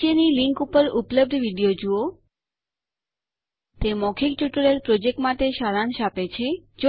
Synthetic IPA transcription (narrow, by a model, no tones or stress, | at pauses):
eniliŋkupəɾupləb̚d̪ʱʋiɖijod͡ʒuo | t̪emɔkʰikʈuʈəɭeɾpɾod͡ʒek̚ʈmat̪eʃaɾanʃapet͡ʃʰed͡ʒo